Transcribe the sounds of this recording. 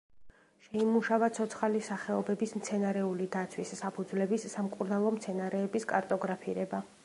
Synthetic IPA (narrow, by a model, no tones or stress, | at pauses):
ʃɛimuʃavat̪sʰɔt̪sʰχalisaχɛɔbɛbismt̪sʰɛnaɾɛulid̪at̪sʰwisːapʰud̪zvlɛbisːamkʼuɾnalˠɔmt̪sʰɛnaɾɛːbiskʼa̰ɾt̪ʼɔɡɾapʰiɾɛba